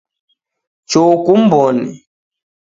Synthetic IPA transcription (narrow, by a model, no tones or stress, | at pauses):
t͡ʃokum̩bɔnḭ